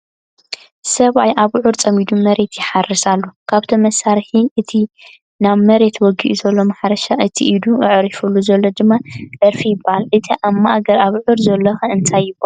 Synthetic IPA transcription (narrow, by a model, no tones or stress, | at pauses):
sɐβajʔaβʕuɾt͡sʼɐmid̪umɐɾe̞t̪jɪħarːisalːukʰaβt̪ʰɐmɐsaɾħiʔɨt̪ʰi | naβmɐɾe̞t̪ʰwɔɡḭʔzɐlːo̞maħaɾɐʃaʔɨt̪ʰḭʔid̪uʔɨʕɾifulːuzɐlːod̪ɨmːad̪ɐɾfijɪbahalʔɨt̪ʰiʔamːaʔɡɐɾaβʕuɾzɐlːɐxɐɨnt̪ʰajːɪba